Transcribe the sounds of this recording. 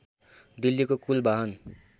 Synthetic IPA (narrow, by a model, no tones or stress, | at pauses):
d̪ilːikokulbʱaɦʌn